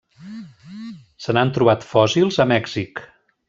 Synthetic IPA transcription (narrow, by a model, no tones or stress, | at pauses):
sənant̪ɾuβ̞at̪fɔsilˠzəmɛɡzik